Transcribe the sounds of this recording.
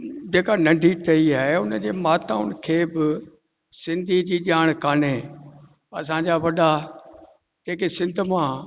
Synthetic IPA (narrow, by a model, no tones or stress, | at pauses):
d͡ʑeːkanɐ̃ɳɖʱiʈɐiaːɦeʊnəd͡ʑeːmaːt̪aːʊn̆kʰeːbɪ | sɪ̃nd̪ʱid͡ʑiːʄaːɽ̃kaːne | ɐsãɲd͡ʑaʋɐɗa | d͡ʑeːkesɪ̃nd̪ʱʊ̆mã